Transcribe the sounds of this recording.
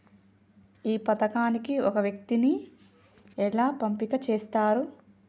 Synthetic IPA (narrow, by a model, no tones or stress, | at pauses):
iːpɐt̪ɐkaːnikiɔkɐʋjɐk̚t̪ini | ɛɭaːpɐmpikɐt͡ʃeːst̪aːɾu